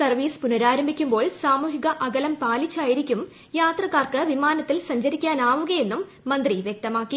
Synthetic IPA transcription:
sɐrʋiːspunɐɾaːɾɐmbʱikʲːumbo̞ːɭsaːmuːɦiɣɐʔɐɡɐlɐmpaːlit͡ɕːaːjiɾikʲːum | jaːt̪rɐkːaːrkɨʋimaːnɐt̪ːilsɐɲd͡ʑɐɾikʲːaːnaːʋuɣɐje̞nːumːɐnd̪riʋjek̚t̪ɐmaːkːi

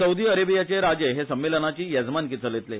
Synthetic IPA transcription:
səud̪iːəɾebijat͡ɕeɾad͡ʑeɦesəmːilənat͡ɕiːjəd͡zmank̬it͡səlet̪le

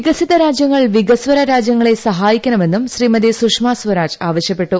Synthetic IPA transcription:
iɡɐsiðɐɾaːd͡ʑjɐŋːɐɭʋiɡɐsʋɐɾɐɾaːd͡ʑjɐŋːɐɭe̞sɐɦaːjikʲːɐnɐme̞nːumɕriːmɐd̪isukʂmaːsʋɐɾaːd͡ʑaːʋɐɕjɐpːe̞ʈːu

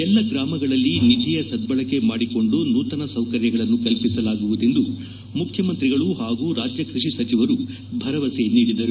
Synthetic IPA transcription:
ɛlːɐɡɾaːmɐɡɐɭɐlːinit̪ijɐsɐd̪̚bɐɭɐke̞maːɽiko̞ɳɖunuːt̪ɐnɐsɐwkɐɾjɐɡɐɭɐnːukɐlpisɐlaːɡuʋud̪e̞nd̪u | mukʰjɐmɐnt̪ɾiɡɐɭuɦaːɡuːɾaːd͡ʒjɐkɾiʂisɐt͡ʃiʋɐɾu | bʱɐɾɐʋɐseniːɽid̪ɐɾu

